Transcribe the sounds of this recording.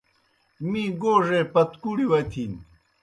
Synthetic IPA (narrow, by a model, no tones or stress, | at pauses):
miːɡoːʐepɐt̪kuɽiwɐt̪ʰiːn